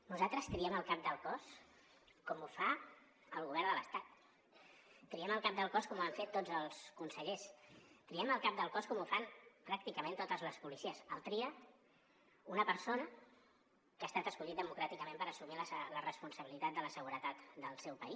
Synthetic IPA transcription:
nuzat̪ɾəst̪ɾiɛməlˠkap̚d̪əlˠkɔs | kɔmufa | əlˠɣuβ̞ɛɾrnd̪ələst̪at̪̚ | k̪ɾiɛməlˠkap̚d̪əlˠkɔskɔmuaɱfet̪ːod͡zəlˠskunsəʎest̪ɾiɛməlˠkap̚d̪əlˠkɔskɔmufanpɾak̚t̪ikəmẽnt̪ot̪əzləspulisiəsəlˠt̪ɾiə | unəpəɾsonə | kaːst̪at̪əskuʎit̪̚d̪əmukɾat̪ikəmẽmpəɾəsumiləsələrəspunsəβilit̪at̪̚d̪ələsəɣuɾət̪at̪d̪əlˠsɛwpəis

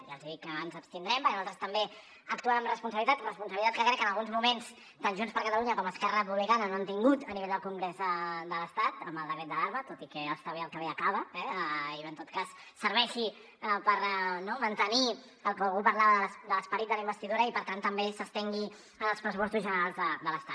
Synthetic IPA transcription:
ʒalziðikːənzəpst̪ind̪ɾɛmpəɾkualˠt̪ɾəst̪əmbe | əkt̪uanəmrəspunsəβlit̪at̪rəs̬punsəβilit̪at̪kəkɾɛkːənəlˠɣunzmumens | t̪anʒunspəɾkət̪əluɲəkɔməskɛrəəp̬uβlikanənoant̪iŋɡut̪əniβeʎd̪əlˠkuŋɡɾezəd̪ələst̪at̪əmbəlˠd̪əkɾɛt̪̚d̪əlaɾmət̪ot̪ikɛəst̪aβeəlˠkəβeəkaβəɛiənt̪ot̪̚kasːəɾβɛʃi | pəɾnɔmənt̪əni | əlˠkəlˠɣupəɾlaβəðələsd̪ələspəɾit̪̚d̪ələimbəst̪iðuɾəipəɾt̪ant̪ːəmbesəst̪ɛŋɡi | ənəlˠspɾəsupɔst̪uzʒənəɾalˠzðəd̪ələst̪at̪

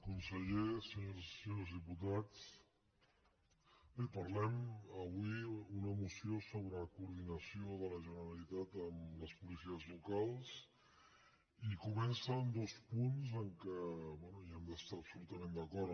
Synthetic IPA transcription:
kunsəʎesəɲoɾssəɲozð̞iput̪at͡s | bepəɾlɛməβwiunəmusiosoβɾəkuːɾðinəsioðələʒənəɾəlit̪at̪əmləspulisiəzlukalˠs | ikumɛnsənd̪ospunzəŋkəβwɛnuiɛmd̪əst̪aɾəpsulut̪əmẽnd̪əkɔɾ

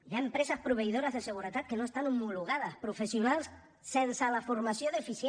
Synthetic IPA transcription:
ʎaempɾesaspɾuβ̞eiðoɾazðeseɣ̞uɾet̪at̪̚kenoest̪anomuluɣaðaspɾufesjunals | sensalafoɾmasjoðefisje

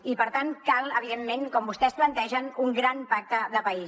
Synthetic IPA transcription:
ipəɾt̪ankalˠəβ̞iðemːenkɔmbust̪ɛsplənt̪ɛʒənuŋɡɾanpak̚t̪əðəpəi

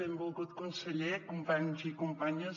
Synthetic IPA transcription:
ẽmbolˠɣut̪kõnseʎekompaɲuzikompaɲɐ

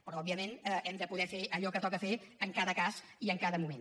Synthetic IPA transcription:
pɾɔɔbiəmenɛɛmd̪əpuðɛfeʔəʎɔkət̪ɔkəfeəŋkaðəkas | iəŋkaðəmumen

